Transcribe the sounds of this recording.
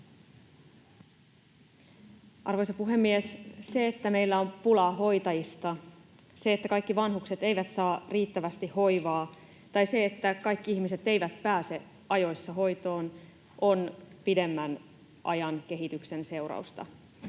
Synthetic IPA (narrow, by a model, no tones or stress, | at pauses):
ʔɑrʋo̞jsɑpuɦe̞mːiesse̞ːt̪ːæme̞ijlːæo̞mpulɑɦo̞jt̪ɑjist̪ɑ | se̞et̪ːækɑjkːiʋɑnɦukse̞t̪e̞jʋæt̪sɑːriːt̪ːæʋæst̪ihho̞jʋɑː | t̪ɑjse̞ːt̪ːækɑjkːiiçmise̞t̪e̞jʋæt̪pæːse̞ | ɑjo̞jsːɑɦo̞jt̪o̞ːn | ʔo̞npide̞mːæn | ʔɑ̰jɑnk̟e̞ɦit̪ykse̞nse̞wɾɑ̰ust̪ɑ̰